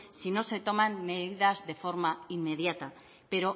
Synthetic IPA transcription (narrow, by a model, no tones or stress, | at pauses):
sino̞se̞t̪o̞manme̞ðiðazðe̞fo̞ɾmaimːe̞ðjat̪a | pe̞ɾo̞